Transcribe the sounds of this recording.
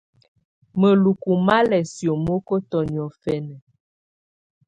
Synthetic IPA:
mə˨lu˨ku˨ma˦lɛ˨sjo˨mo˦ko˦tɔ˨njɔ˨fɛ˦nɛ˨

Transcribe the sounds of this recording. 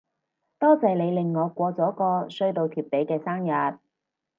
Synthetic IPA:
t̪ɔː˥t͡sɐ˨jle˨˧jlɪ˨ŋːɔː˨˧kʷɔː˧t͡sɔː˨˥kɔː˧sɵ˧ɥt̪o˨wt̪ʰyː˨p̚t̪e˨˥jkɛː˧saː˥ŋjɐ˨t̚

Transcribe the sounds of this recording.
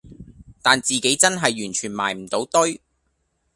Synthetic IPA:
t̪aː˨nt͡siː˨ke˨˥jt͡sɐ˥nɦɐ˨jːyː˨˩nt͡ʃʰyː˨˩nma̰ː˨˩jm̩˨˩t̪o˨˥wt̪ɵ˥ɥ

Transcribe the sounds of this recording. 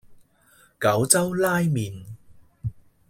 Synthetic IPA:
kɐ˨˥wt͡sɐ˥wlaː˥jmiː˨n

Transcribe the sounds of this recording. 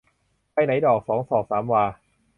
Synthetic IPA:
pa˧jna˨˩˦jdɔː˨˩k̚sɔː˩˦ŋsɔː˩saː˩˦mwaː˧

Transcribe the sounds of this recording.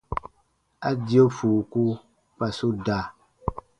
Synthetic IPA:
a˦di˨˦o˦fu˨ku˦ | k͡pa˨so˦da˨

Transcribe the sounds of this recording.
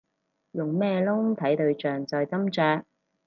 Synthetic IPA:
jʊ˨˩ŋmɛː˥lʊ˥ŋt̪ʰɐ˨˥jt̪ɵ˧ɥt͡ʃœː˨ŋt͡sɔː˨jt͡sɐ˥mt͡sœː˧k̚

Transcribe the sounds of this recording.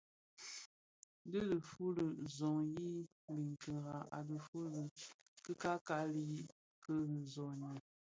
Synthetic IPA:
də˦lə˨fu˦lə˨zɔ˨ŋji˦ | li˨ŋ˨kə˨ɣa˨a̰˨də˨fu˦lə˨ | kə˦ka˦ka˦li˦i˦ | kə˦n̩˨zɔ˨ɲi˨

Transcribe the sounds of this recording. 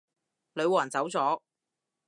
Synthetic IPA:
lɵ˨˧ɥwaː˨˩nt͡sɐ˨˥wt͡sɔː˨˥

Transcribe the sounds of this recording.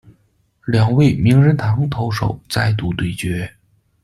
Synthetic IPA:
ljɑ˨˩ŋwe˥˩ɪmi˧˥ŋɻə˧˥nt̪ʰɑ˧˥ŋt̪ʰo˧˥ʊʂo̰˨˩ʊt͡sa˥˧ɪt̪u˥˧t̪we˥˩ɪt͡ɕɥɛ˧˥

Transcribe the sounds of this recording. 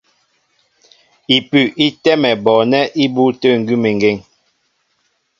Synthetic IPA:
i˨pʉ˦˨ʔi˦tɛ˦mɛ˨bɔ˨nɛ˦ʔi˦bu˦tə˦˨ŋ̩˨ɡʉ˦me˨ŋ˨ɡe˦˨ŋ

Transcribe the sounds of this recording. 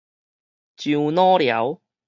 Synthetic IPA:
t͡ɕy˧wnɔː˥ljɐ̰˨˧˥w

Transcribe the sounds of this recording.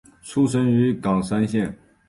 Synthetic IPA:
ʈ͡ʂʰu˥ʂ̬ə˥ny˧˥kɑ˨˩ŋʂa˥nɕjɛ˥˩n

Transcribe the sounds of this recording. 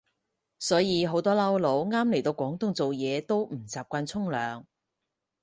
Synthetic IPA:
sɔː˨˥jiː˨˧ɦo˨˥wt̪ɔː˥lɐ˥wlo˨˧˥wŋaː˥mle˨˩jt̪o˧wkʷɔː˨˥ŋt̪ʊ˥ŋt͡so˨wjɛː˨˧t̪o˥wm̩˨˩t͡saː˨p̚kʷaː˧nt͡sʰʊ˥ŋlœː˨ŋ

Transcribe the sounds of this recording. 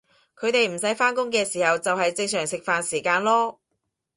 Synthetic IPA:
kʰɵ˨˧ɥt̪e˨jm̩˨˩s̬ɐ˨˥jfaː˥nkʊ˥ŋk̬ɛː˧siː˨˩hɐ˨wt͡sɐ˨wɦɐ˨jt͡sɪ˧ŋsœː˨˩ŋsɪ˨k̚faː˨nsiː˨˩kaː˧nlɔː˥

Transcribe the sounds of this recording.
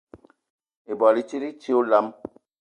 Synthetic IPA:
e˨bɔ˨li˦t͡ʃi˦ɾi˦t͡ʃi˦o˦la˨˦m

